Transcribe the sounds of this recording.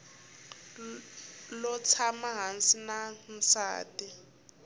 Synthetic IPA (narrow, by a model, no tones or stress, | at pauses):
lɔt͡sʰamaɦansinam̩sa̰ːtʼi